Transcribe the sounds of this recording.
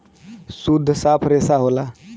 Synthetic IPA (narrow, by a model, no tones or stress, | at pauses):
sud̪ʱːsapʰɾesaɦola